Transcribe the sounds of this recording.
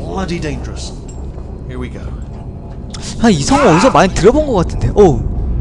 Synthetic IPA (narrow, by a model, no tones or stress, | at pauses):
lʌɾidẽɪ̃nd͡ʒəɹəst | hiɹwiɡoʊ | aisʰʌŋʌʌdisʰʌmantɯɾʌbonɡʌk͈atʰɯnde̞ʔʌ